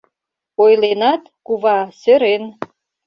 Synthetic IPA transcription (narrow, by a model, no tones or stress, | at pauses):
ojlenɑt̪kuβɑsøɾen